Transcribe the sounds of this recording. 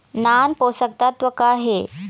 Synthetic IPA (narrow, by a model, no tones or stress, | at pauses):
nanposək̚t̪at̪ʋəkaɦe